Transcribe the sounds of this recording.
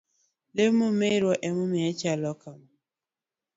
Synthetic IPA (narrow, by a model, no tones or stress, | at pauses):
lemumeiɾwɔʔemʊmeet͡ʃalɔkam̩